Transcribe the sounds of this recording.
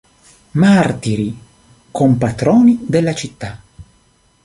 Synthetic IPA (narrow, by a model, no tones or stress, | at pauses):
mart̪iɾi | kʰompat̪ɾɔːnid̪elːat͡ʃit̪ːa